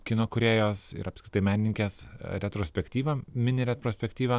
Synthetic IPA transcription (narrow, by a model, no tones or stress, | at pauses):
kʲɪnoːkʊɾʲeːjoːsɪ̰ɾɐpsʲkʲɾʲɪt̪ɐɪmʲæːnʲɪnʲɪŋʲkʲeːsɾʲɛt̪ɾoːsʲpʲɛkt̪ʲiːʋɐmʲɪnʲɪɾʲɛt̪ɾoːsʲpʲɛkt̪ʲiːʋɐ